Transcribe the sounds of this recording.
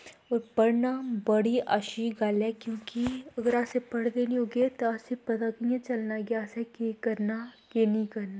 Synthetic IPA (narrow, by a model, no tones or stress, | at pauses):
ɔːɾpɐɽnabɐɽiʔaːʃiɡaːlɛkjõːkiɐɡəɾaːsepɐɽd̪eːniɦoːɡet̪oaːsepɐt̪akijãt͡ʃɐlnaɡeaːsekekɐɾnakeːnikɐɾna